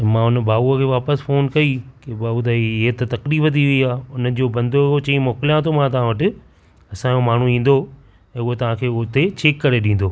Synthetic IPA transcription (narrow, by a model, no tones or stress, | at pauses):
ɐmãʊnəbaːuəkʰeːʋaːpəsfoːnkɐikebaːut̪̬ɐet̪ɐt̪ɐkɾiːbɐt̪̬iʋiiaːʊnə̆d͡ʑoːbɐ̃nd̪oot͡ɕɐĩmɔːkɪlijãt̪ʰomãt̪̬ɐʋ̤ãʋɐʈɪ̆ | ɐsãd͡ʑomaːɳ̤uĩːn̆d̪o | ɛ̃ːʊɦot̪ɐʋ̤ãkʰeːʊɦt̪et͡ɕʰeːkːɐɾeɗĩːn̆d̪oː